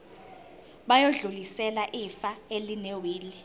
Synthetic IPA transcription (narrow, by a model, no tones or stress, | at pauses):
ɓajoɮulisɛlaʔifaelinewiːli